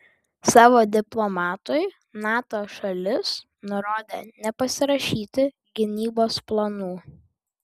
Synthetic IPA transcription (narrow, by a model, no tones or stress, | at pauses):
sɑːʋoːd̪ʲɪplˠɔmɑːt̪ʊɪ | nɑːt̪oːʃɐlʲɪs | nʊɾoːd̪ʲḛːnʲɛpɐsʲɪɾɐʃʲiːt̪ʲɪ | ɡʲɪnʲiːboːsplˠɐnuː